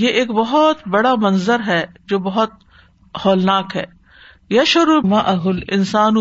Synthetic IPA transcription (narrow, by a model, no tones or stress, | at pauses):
jeʔeːkbɐɦɔt̪bɐɽamɐnzəɾɦɛːd͡ʒoːbɐɦʊt̪̚ | hɔːlnaːkɦɛː | jɐʃʊɾmaʔɐɦʊlɪ̰nsaːn